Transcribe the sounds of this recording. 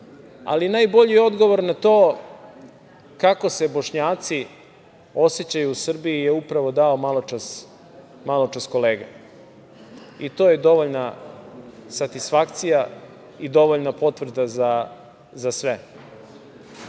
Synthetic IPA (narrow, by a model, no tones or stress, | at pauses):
a̰linajbo̞ʎijo̞d̪ɡo̞ʋo̞ɾnat̪o̞ː | kako̞se̞boʃɲaːt̪si | o̞set͡ɕajuusr̩biijeupɾaʋo̞d̪aomalˠot͡ʃas | malˠot͡ʂasko̞leːɡa̰ | it̪o̞ːjed̪o̞ʋoʎna | sat̪isfakt̪sija | id̪o̞ʋoʎnapo̞t̪ʋr̩d̪aza | zasʋe